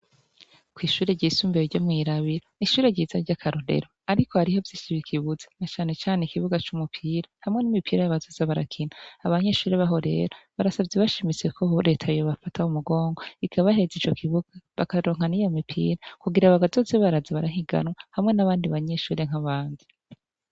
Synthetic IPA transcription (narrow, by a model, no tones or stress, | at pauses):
kwiːʃuːɾeɟisuːmbeɾoɾɟomŋiːɾaβiɾoniʃuːɾe̞ɟiːzaɾɟakʰaɾoɾe̞̰ɾo̞aɾikʰohaɾihovjiːʃiβikʰiβuze̥nat͡ʃaːne̞t͡ʃaːneikiβuɡat͡ʃumupʰiːɾahamŋe̞nimipʰiːɾajaβazo̞ːzeβaɾa̰kʰinaːβaɲe̞ʃuːɾe̞βaɦo̞ɾe̞̰ɾaβaɾasabɟeβaʃimit͡se̞kʰoɾe̞ːtʰajoβafatʰaumuɡo̞ːŋɡo̞ikʰaβaɦe̞zit͡ʃo̞kʰiβuɡ̥aβakaɾo̞ːŋ̥hanijo̞mipʰḭːɾakuɡiɾaβaβazo̞zeβaɾazaβaɾaɦiɡa̰nwahamŋe̞naβaːndiβaɲeʃuːɾe̞ŋ̥ɦaβaːndi